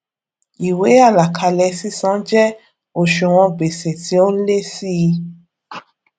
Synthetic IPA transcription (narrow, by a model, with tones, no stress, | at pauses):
i˨we˨˦a˦˨la˨kʰa˧lɛ˧si˦sã˨˦d͡ʒɛ˦ | o˨ʃo˨w̃ɔ̃˧ɡ͡be˨sɛ˨ti˨˦o˦le˦si˦i˧